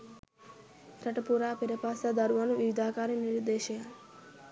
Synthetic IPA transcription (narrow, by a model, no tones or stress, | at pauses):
kɾɐʈɐpuɾaːpeɾepaːsad̪ɐɾuʋɐnuʋiʋid̪aːkaːɾiniɾd̪eːʃeja